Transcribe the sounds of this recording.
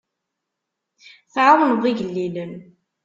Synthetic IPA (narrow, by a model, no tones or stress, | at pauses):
θʕawnəvˤiʝəlːilən